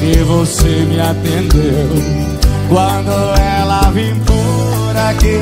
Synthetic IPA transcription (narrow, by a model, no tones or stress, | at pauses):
evosemɪat̪ẽnd̪ew | kwɐ̃nd̪oɛlɐvĩpu | ɾɐke